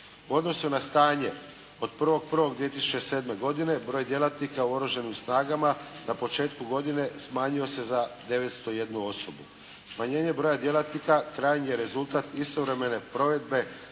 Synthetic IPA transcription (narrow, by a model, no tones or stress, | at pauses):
uo̞d̪no̞sunast̪aːɲe̞ | o̞d̪̚pr̩ʋo̞ɡ̚pr̩ʋo̞ɡd̪ʋie̞t̪̬isu̥t͡ʃese̞ːd̪me̞ɡo̞d̪ine̞bɾo̞jd̪jelat̪nikauoɾoʒanimsnaːɡamanapo̞t͡ʃe̞ːt̪kuɡo̞d̪ine̞smaːɲio̞se̞zad̪e̞ʋe̞t̪st̪o̞je̞d̪nuo̞sobṵ | smaɲe̞ːɲe̞bɾo̞jad̪je̞lat̪nikakɾaːjnije̞ɾe̞zulˠt̪at̪ist̪o̞ʋɾeme̞ne̞pɾo̞ʋe̞d̪be̞